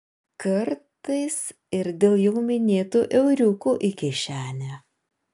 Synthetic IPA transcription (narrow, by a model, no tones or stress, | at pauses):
kɐɾt̪ɐɪs | ɪɾd̪ʲeːlˠjɛʊmʲɪnʲeːt̪uːʔɛʊɾʲuːkuʔɪkʲɪʃʲæːnʲæ